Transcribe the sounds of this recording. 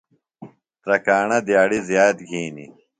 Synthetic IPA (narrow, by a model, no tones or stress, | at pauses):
t̪ɾɐkaːɳɐd̪jaːɽizjaːt̪ɡʱiːnḭ